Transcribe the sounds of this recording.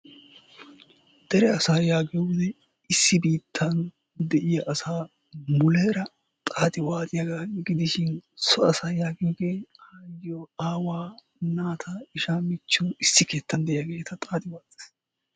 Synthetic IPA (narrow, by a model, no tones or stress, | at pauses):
d̪ɛɾɛɐsaːjaːɡjɔɡɪd̪ɛ | ɪsːɪbiːt̪ʰːɐn | d̪ɛʔɪjɐʔɐsaː | mʊleːɾɐ | t̪ʼaːt̪ʼɪwaːt̪ʼɪjɐɡaːɡɪd̪ɪʃɪnsɔɐsaːjaːɡiːɡeːajːɔaːwaː | naːt̪ʰɐɪʃaːmɪt͡ʃːɔɪsːɪke̞ːt̪ʰːɐnd̪ɛʔɪjɐɡe̞ːt̪ʰɐt̪ʼaːt̪ʼɪwaːtʼɪ̥s